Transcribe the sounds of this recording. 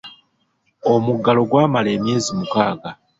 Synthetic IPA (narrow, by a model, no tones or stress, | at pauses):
o̞muɡːalo̞ɡwaːmale̞ːmje̞ːzimukaːɡa